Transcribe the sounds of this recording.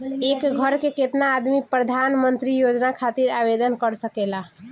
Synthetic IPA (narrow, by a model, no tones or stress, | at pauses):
ekɡʱəɾkeket̪naːd̪mipɾəd̪ʱanmənt̪ɾijod͡ʒnakʰat̪iɾabed̪ənkəɾsəkela